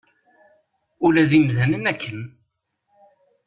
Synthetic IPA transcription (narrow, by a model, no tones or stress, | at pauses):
ulæðimðænənækːən